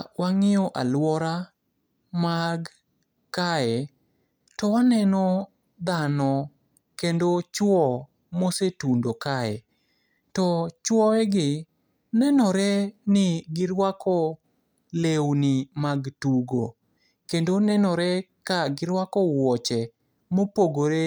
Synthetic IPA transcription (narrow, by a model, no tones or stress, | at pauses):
wʔaŋɪjɔʔalwɔɾa | maɡ | kaɛ | tɔwanɛnɔ | d̪anɔ | kendot͡ʃwɔ | mosetundokaɛ̰ | tɔt͡ʃwɔɛɡɪ | nɛnɔɾɛnɪɡɪɾwakʰɔ | lewnɪmaɡtuɡo̰ | kendonɛnɔɾɛkaɡɪɾwakɔwɔt͡ʃɛ | mopoɡoɾe